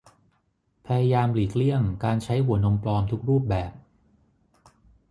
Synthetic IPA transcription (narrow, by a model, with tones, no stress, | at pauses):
pʰa˧ja˧jaː˧mliː˨˩k̚li˥˩əŋkaː˧nt͡ɕʰa˦˥jɦu˨˩˦ɐno˧mplɔː˧mt̪ʰu˦˥k̚ɾuː˥˩p̚bɛː˨˩p̚